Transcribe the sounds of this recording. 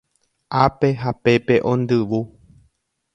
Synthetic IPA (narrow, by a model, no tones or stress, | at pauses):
ʔape̞ɦape̞pe̞ʔõ̞nd̪ɨʋu